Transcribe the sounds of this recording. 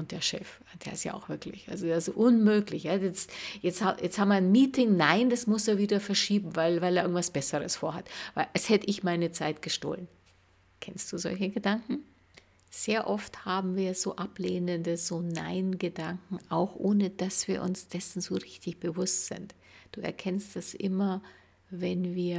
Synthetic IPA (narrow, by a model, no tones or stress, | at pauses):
ʔʊntd̥eːɐʃɛ̰f | d̥ḛːɪstja̰ːa̰ʊxv̥ɪɐklɪ̰çʔa̰lzodesoʔʊnmøːklɪçjajɛt͡stjɛt͡sthajɛt͡sthaːbmɐnmiːtʰɪŋnaɪnd̥asmʊseːɐviːdɐfɛɐʃiːbm̩vaɪlvaɪleɐʔɪɡŋ̩tv̥asb̥ɛsəʁəsfoːɐɦatvaɪlʔɛshɛtəʔɪçmaɪnət͡saɪtɡ̥əʃto̰ːlən | kʰɛnstd̥uːzɔ̰lçəɡədaŋkŋ̩ | z̥eːɐʔɔfthaːbm̩viːɐzoːʔapleːnəndəz̥oːna̰ɪnɡədaŋkŋ̩aʊxʔoːnəd̥asv̥iːɐʔʊ̰nsd̥ɛsn̩zoːʁɪçtɪçb̥əvʊstz̥ɪ̰nt | d̥uːɛ̰ɐkʰɛnstd̥asʔɪmɐ | vɛnviːɐ